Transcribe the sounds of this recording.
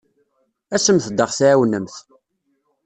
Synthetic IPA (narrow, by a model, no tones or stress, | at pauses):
æsəmθd̪əʁθaʕæwnːəmθ